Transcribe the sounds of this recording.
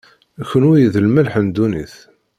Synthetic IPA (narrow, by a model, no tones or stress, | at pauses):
çənujðəlmælħənd̪uniθ